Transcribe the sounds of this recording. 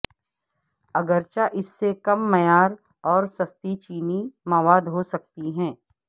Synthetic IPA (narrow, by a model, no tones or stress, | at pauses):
ɐɡəɾt͡ʃaʔɪsːekɐmːɐjaːɾ | ɔːɾsɐst̪it͡ʃiːnimaʋaːd̪ɦosɐk̚t̪iɦɛ̃ː